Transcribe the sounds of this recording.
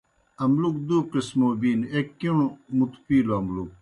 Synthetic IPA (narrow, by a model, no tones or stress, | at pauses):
ɐmlukd̪uqismobiːnekːiɳmut̪upiːloɐmluk̚